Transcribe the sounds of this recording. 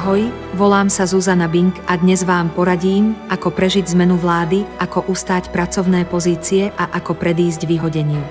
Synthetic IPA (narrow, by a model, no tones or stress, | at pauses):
ɦɔj | ʋɔlaːmsazuzanabiŋkad̪ɲɛzʋaːmpɔɾaɟiːmʔakɔpɾɛʒiɟzmɛnuʋlaːd̪iʔakɔʔust̪aːcpɾat͡sɔʊnɛːpɔziːt͡siɛʔaʔakɔpɾɛd̪iːzɟʋiɦɔɟɛɲɪiu